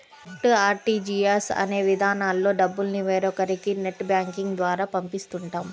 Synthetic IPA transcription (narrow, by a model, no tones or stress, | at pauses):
ʈaːɾʈiːd͡ʒiːesɐ̰ne̞ːʋid̪ʱaːnaːlːo̞ːɖɐbːulniʋeːɾɔkɐɾikineʈːbjaːŋkiŋɡd̪ʋaːɾaːpɐmpist̪uɳʈaːm